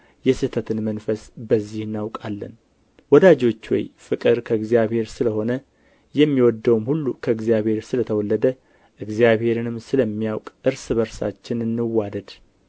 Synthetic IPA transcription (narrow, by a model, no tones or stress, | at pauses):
jɛsɨt̪ʰət̪ʰɨnmənfəsbəzːihɨnːawkʼalːə̰n | wɔd̪ad͡ʒo̞t͡ʃːwɔ̰jfɨkʼɨɾkʰəɨɡzjaβhe̞ɾsɨləho̞nə | jɛmːiwɔd̪ːəwmhulːukʰəɨɡzijaβhe̞ɾsɨlət̪ʰəwɔlːəd̪ə | ʔɨɡzijaβhe̞ɾɨnɨmsɨləmːijawkʼʔɨɾsɨβəɾsa̰t͡ʃːɪnɨnːɨwad̪əd̪̥